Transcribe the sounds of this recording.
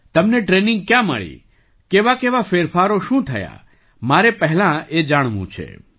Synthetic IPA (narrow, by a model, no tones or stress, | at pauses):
t̪əmneʈɾenɪ̃ŋɡ̚kjãmə̰ɭḭ | keʋakeʋafeɾfaɾoʃũt̪ʰəja̰ | maɾepəɦlãed͡ʒaɽ̃ʋṵ̃t͡ʃʰḛ